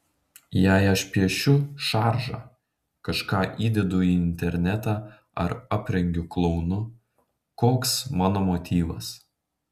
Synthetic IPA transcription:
jæɪɐʃpʲiɛʃʲʊʃɑːɾʒɑ̰ | kɐʃkɑːʔiːd̪ʲɛd̪ʊiːɪnʲt̪ʲɛɾʲnʲɛt̪ɑː | ɐ̰ɾɑːpʲɾʲɛŋʲɡʲʊklˠɔʊnʊ | koːksmɑːnoːmoːt̪ʲiːʋɐs

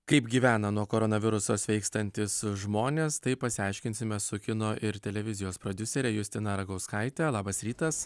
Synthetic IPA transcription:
kɐɪpɡʲiːʋʲæːnɐnuɔkoːɾoːnɐʋʲɪɾʊsoːsʋʲɛɪkst̪ɐnʲt̪ʲɪsʒmoːnʲeːst̪ɐɪpɐsʲɪɑɪʃʲkʲɪnʲsʲɪmʲɛsʊkʲɪnoʔɪɾt̪ʲɛlʲɛʋʲɪzʲɪjoːspɾoːd̪ʲʊsʲɛɾʲɛjʊsʲt̪ʲɪnɐɾɐɡɐʊskɐɪt̪ʲɛlˠɑːbɐsɾʲiːt̪ɐs

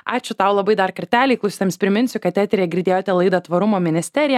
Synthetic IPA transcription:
ɑːt͡ʃʲʊt̪ɑʊlˠɐbɐɪd̪ɐrkɐɾʲt̪ʲæːlʲɛɪklˠʊsʲt̪ʲeːmsʲpʲɾʲɪmʲɪnʲsʲʊkɐt̪ʲæːt̪ʲɾʲejɛɡʲɪɾʲd̪ʲeːjoːt̪ʲɛlˠɐɪd̪ɐt̪ʋɐɾʊmoːmʲɪnʲɪsʲt̪ʲɛɾʲɪjɛ

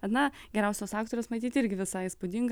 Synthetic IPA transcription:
ɐnɐɡʲɛɾʲɛʊsʲoːsɑːkt̪oːɾʲoːsmɐɪt̪ʲiːt̪ɪɾʲɡʲɪʋʲɪsɑɪspʊd̪ʲɪŋɡ

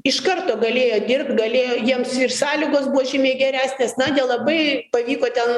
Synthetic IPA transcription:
ɪʃkɐrt̪oːɡɐlʲeːjoːd̪ʲɪrp̚t̪ɡɐlʲeːjoːjiɛmsɪrsɑːlʲiɡoːsbuɔʒʲɪmʲeːɡʲɛɾʲæːsʲnʲeːsnɐd̪ʲɛlˠɐbɐɪpɐʋʲiːkoːt̪ʲɛn

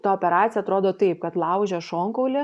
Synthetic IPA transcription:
t̪ɐoːpʲɛɾɑːt̪sʲjɛɐt̪ɾoːd̪oːt̪ɐɪp̚kɐt̪lˠɐʊʒʲɛʃoːŋkɐʊlʲɪ

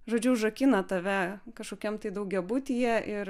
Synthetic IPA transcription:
ʒoːd͡ʒʲʊʒɐkʲinɐt̪ɐʋʲɛkɐʃkoːkʲɛmt̪ɐɪd̪ɐʊɡʲɛbʊːt̪ʲijɛʔɪɾ

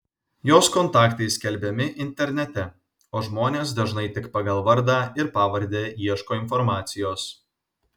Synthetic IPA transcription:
joːskɔnt̪ɑːkt̪ɐɪsʲkʲɛlʲbʲɛmʲɪʔɪnʲt̪ʲɛɾʲnʲɛt̪ʲɛ | oːʒmoːnʲeːsd̪ɐʒnɐɪt̪ʲɪkpɑɡɐlˠʋɐɾʲd̪ɑːɪɾpɑːʋɐɾʲd̪ʲeːjiɛʃkoːɪnfɔɾmɑːt̪sʲɪjoːs

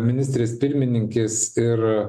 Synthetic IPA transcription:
mʲɪnʲɪsʲt̪ʲɾʲeːspʲɪɾʲmʲɪnʲɪŋʲkʲeːsɪɾ

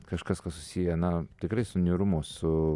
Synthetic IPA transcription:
kɐʃkɐskɐssʊ̥sʲiːjɛnɐt̪ʲɪkɾɐɪsʊnʲiɾʊmoːsʊ

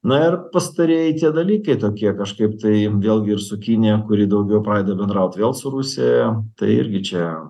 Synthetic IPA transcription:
nɐɪrpɐst̪ɐɾʲeɛjɪt̪ʲiɛd̪ɐlʲiːkɐɪt̪oːkʲiɛkɐʃkɐɪpt̪ɐɪʋʲeːlˠɡʲɪɪrsʊkʲinʲɪjɛkʊɾʲiːd̪ɐʊɡʲɛʊpɾɑːd̪ɐbʲɛnd̪ɾɐʊt̪ʋʲeːlˠsʊɾusʲejɛt̪ɐɪɪ̰ɾʲɡʲɪt͡ʃʲɛ

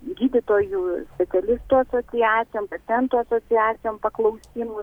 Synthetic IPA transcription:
ɡʲiːd̪ʲɪt̪oːjuːsʲpʲɛtsʲɛlʲɪst̪uːɐsoːtsʲɪjæːt̪sʲɪjoːmpɐt̪ʲɛnt̪uːɐsoːt͡s̪ʲɪæːt͡s̪ʲɪjoːmpɐklˠɐʊsʲiːmʊ

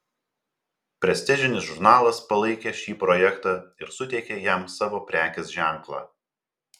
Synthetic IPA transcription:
pʲɾʲɛsʲt̪ʲɪʒʲɪnʲɪsʒʊɾnɑːlˠɐspɐlˠɐɪkʲeʃʲiːpɾɔːjɛkt̪ɑːɪɾsʊt̪ʲɛɪkʲejɛˑmsɑːʋoːpʲɾʲæːkʲeːsʒʲæˑŋklˠɑ̰ː

